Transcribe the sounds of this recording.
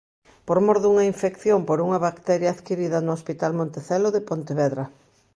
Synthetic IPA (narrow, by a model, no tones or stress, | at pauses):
poɾmoɾðuŋɐiɱfekθjompoɾuŋɐβakt̪ɛɾjaːðkiɾiðɐnoʊospit̪almõnt̪eθɛloðepont̪eβɛðɾɐ